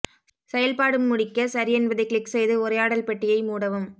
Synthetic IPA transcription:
sɛjɐlpaːɽɯmːʊɽɪkːɐsɐɾɪɛnbɐðɐɪkɭɪksɛjðɯʊɾɐjaːɽɐlpɛʈːɪjɐɪmuːɽɐʋɯm

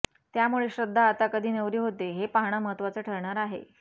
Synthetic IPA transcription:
t̪jamuɭeɕɾəd̪ʱːaːt̪akəd̪ʱiːnəʋɾiːɦot̪eɦepaɦɽ̃əməɦət̪ːʋat͡səːʈʰəɾɳaɾaɦḛ

